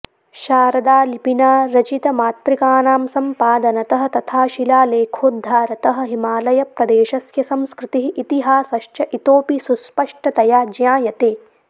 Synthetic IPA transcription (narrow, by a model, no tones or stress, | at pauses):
ʃaːɾɐd̪aːlipinaːɾɐt͡ʃit̪ɐmaːt̪ɾikaːnaːmsɐmpaːd̪ɐnɐt̪ɐɦɐ̆t̪ɐt̪ʰaːʃilaːleːkʰoːd̪ʱːaːɾɐt̪ɐɦɐ̆ɦimaːlɐjɐpɾɐd̪eːʃɐsjɐsɐmskɾɪt̪iɦiʔit̪iɦaːsɐʃt͡ʃɐʔit̪oːpisuspɐʂʈʰɐt̪ɐjaːd͡ʒjaːjɐt̪eː